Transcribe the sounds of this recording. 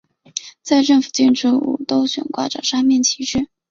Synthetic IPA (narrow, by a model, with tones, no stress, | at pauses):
t͡sa˥˧ɪʈ͡ʂɤ˥˩ŋfu̥˨˩t͡ɕi˥˩nʈ͡ʂʰu˥ṵ˨˩t̪o˥ʊɕɥɛ̰˨˩nkwa̰˥˩ʈ͡ʂə̰˨˩ʂa˥mjɛ˥˩nt͡ɕʰi˧˥ʂɻ̩˥˩